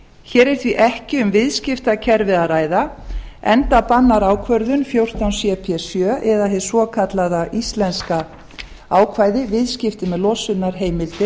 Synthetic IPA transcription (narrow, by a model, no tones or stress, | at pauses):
çɛːɾɛɾ̥t̪viʔɛhcɪʏmvɪðscɪft̪acʰɛɾvɪðaɾaːjðaɛnt̪apanːaɾaːwkʰvœɾðʏnfjowr̥t̪awnsjɛpʰjɛsjœːʔɛðahɛðsvɔːkʰat̪laðaʔist̪lɛnska | aːwkʰvaːjðɪvɪðscɪft̪ɪmɛðlɔːsʏnaɾ̥ɦeːjmɪlt̪ɪ